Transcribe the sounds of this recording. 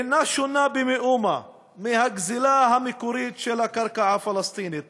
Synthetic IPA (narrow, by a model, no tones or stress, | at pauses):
inaʃunːabimiʔuma | mihɐkzilaɦamikuɾit̪t͡ʃelakɐɾkaʕafɐlɐst̪iːnit̪̚